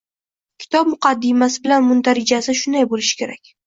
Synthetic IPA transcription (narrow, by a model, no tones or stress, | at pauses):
kʲʰɪ̥t̪ʰɒp̚mʊqʰɑd̪ːɪmasɪbɪlanmʊnt̪aɾɪd͡ʒasɪʃʊnd̪ajbolɪʃɪ̥kʲʰe̞ɾakʲ